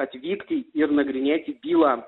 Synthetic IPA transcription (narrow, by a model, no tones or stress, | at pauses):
ɐt̪ʲvʲikt̪ʲiirnɐɡɾʲɪnʲet̪ʲibʲilˠa